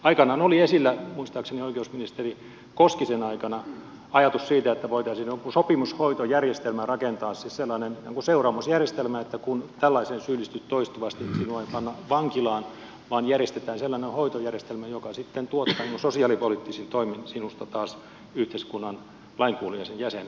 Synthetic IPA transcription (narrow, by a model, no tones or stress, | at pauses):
ɑikɑnɑnoliesilːæmuist̪ɑːksenioikeusminist̪eri | koskisenɑikɑnɑ | ɑjɑt̪ussiːt̪æet̪ːæʋoit̪ɑisiːnokusopimushoit̪ojærjest̪elmærɑkent̪ɑːssisselːɑnenæːŋkuseurɑːmusjærjest̪elmæet̪ːækunt̪ælːɑisensyːlːist̪yt̪t̪ːoist̪uʋɑst̪isinuɑipɑnːɑʋɑŋkilɑːn | ʋɑːnjærjest̪et̪æːnselːɑnehoit̪ojærjest̪elmæjokɑsit̪ːent̪uot̪ːɑːniːŋkusosiɑˑlipolit̪ːisint̪oiminsinust̪ɑt̪ɑːs | yht̪eiskunːɑn | lɑiŋkuːliɑsenjæsen